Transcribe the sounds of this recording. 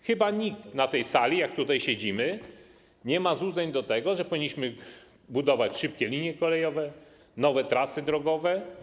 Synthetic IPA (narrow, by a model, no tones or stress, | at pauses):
xɘbaɲikt̪nat̪ɛjsalʲijak̚t̪ut̪ajɕed͡ʑimɘ | ɲɛmazwud̪zɛɲd̪ɔt̪ɛɡɔʐɛpɔvʲiɲːiɕmɘ | bud̪ɔvat͡ɕʂɘp̚kʲɛlʲiɲjɛkɔlɛjɔvɛ | nɔvɛt̪ɾasɘd̪ɾɔɡɔvɛ